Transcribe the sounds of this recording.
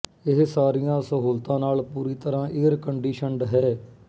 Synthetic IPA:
ɪɦsaːɾijãːsəɦuːlt̪ãːnaːlpuːɾiːt̪əɾãːʔɪːəɾkəɳɖiːʃəɳɖɦɛː

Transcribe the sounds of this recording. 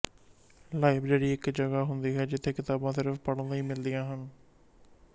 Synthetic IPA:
laːɪbd͡ʒeːɽiːɪkd͡ʒəɡaːɦʊnd̪iːɦɛːd͡ʒɪt̪ʰːeːkɪt̪aːbãːsɪɾəfpəɽd̪əiːmɪld̪ɪjãːɦən

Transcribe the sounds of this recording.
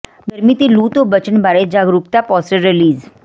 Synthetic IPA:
ɡəɾmit̪iluːt̪obət͡ʃənbaːɾed͡ʒaːɡɾuk̚t̪apɔːsʈəɾːɪliːz

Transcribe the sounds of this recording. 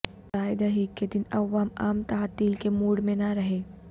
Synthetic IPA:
taːjd̪aɦikːed̪ɪnɐʋːaːma̰ːmt̪aɦat̪iːlkemuːɽmẽnaɾɐɦe

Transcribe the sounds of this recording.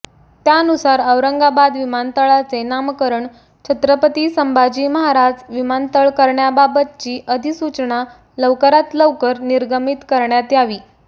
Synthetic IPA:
t̪jaənusaɾəʋɾəŋɡabad̪ʋimant̪əɭat͡senamkəɾəɳ | t͡ɕʰət̪ɾəpət̪iːsəmbʱad͡ʑiːməɦaɾad͡zʋimant̪əɭkəɾɳjababət̪̚t͡ɕiːʔəd̪ʱisut͡ɕɳa | ləʋkəɾat̪ləʋkəɾniɾɡəmit̪kəɾɳjat̪jaʋiː

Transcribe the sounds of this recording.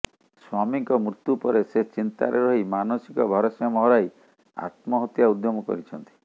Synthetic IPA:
swamiŋkɔmɾut̪ːupɔɾeset͡ʃint̪a̰ɾeɾɔɦimanosikɔbʱɔɾɔsɔmɔɦɔɾaj | a̰t̪mɔɦɔt̪jaud̪jɔmɔkɔ̰ɾit͡ʃʰɔnt̪i̥

